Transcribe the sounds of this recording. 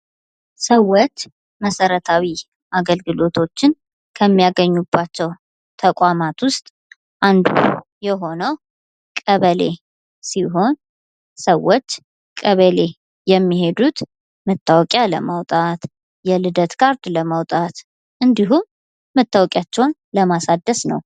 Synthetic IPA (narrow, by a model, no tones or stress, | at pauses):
səwːot͡ʃː | məsəɾət̪ʰawi | ʔaɡəlɡɨlo̞t̪ʰo̞t͡ʃːɪn | kʰəmːijaɡəɲːubːat͡ʃːɛw | t̪ʰəkʼamat̪wʊst̪ʼ | ʔand̪ṵjɛɦo̞nəw | kʼəβəle | siɦo̞n | səwːot͡ʃː | kʼəβəle̞ | jɛmːiɦe̞d̪ut̪ | mət̪ʰːawɔkʼjalə̰mawt̪ʼat̪ | jɛlɨd̪ət̪kʰaɾd̪ləmawt̪ʼat̪ | ʔɨnd̪iɦumː | ət̪ʰːawɔkʼjat͡ʃːɛwnləmasad̪ːəsnə̰w